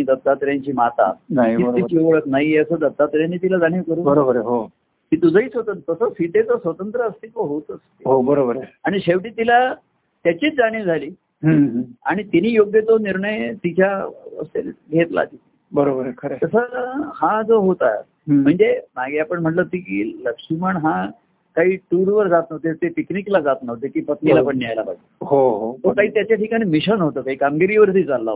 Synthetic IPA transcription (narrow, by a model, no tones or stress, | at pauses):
id̪ət̪ːat̪ɾjaɲt͡ɕiːmat̪a̰naɦiibəit͡ɕiʋəɭəknajeəsəd̪ət̪ːat̪ɾjanːit̪ilad͡zaɽ̃ĩkəɾuːbəɾobəɾəɦo | kiːt̪ud͡zəiːt͡sʋət̪ət̪əsəsiʈet͡səsʋət̪ənt̪ɾəːst̪iːt̪oɦot̪əsiɦobəɾobəɾaɽ̃iɕeʋʈiːt̪ila | t̪jat͡ɕiːt͡sd͡zaɽ̃ĩd͡zʱaliː | ɦə̃a̰ɽ̃it̪iniːjoɡjət͡soniɾɳəjt̪it͡ɕjaə̰st̪elɡʱet̪la̰t̪it̪ | bəɾobəɾkʰəɾet̪əsəhãd͡zoɦot̪aa̰ | m̤əɳd͡zemaɡeapəɳm̤əʈlət̪iːkiːləkʂiməɳɦã | kaɦiːʈuɾʋəɾd͡zat̪nəʋt̪et̪epikniklad͡zat̪nəʋt̪ek̪ipət̪nilapəɳːiajlapaɡ̚t̪ːhoɦot̪okaɦiːt̪jat͡ɕjaʈʰikañiːmiɕənɦot̪əːkaɦiːkamɡiɾiːʋəɾt̪iːd͡zalːa̰